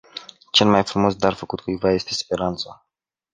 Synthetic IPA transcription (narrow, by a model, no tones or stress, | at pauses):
t͡ʃe̞lmajfɾumo̞sd̪arfəkut̪kujvaje̞st̪e̞spe̞ɾant̪sa